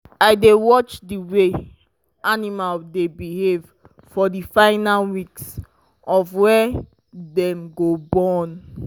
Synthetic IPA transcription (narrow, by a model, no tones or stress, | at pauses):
aɪdewɔt͡ʃdiwe | animaldebihev | fɔdifãɪnalwiks | ɔvwɛ | dɛ̃mɡobɔn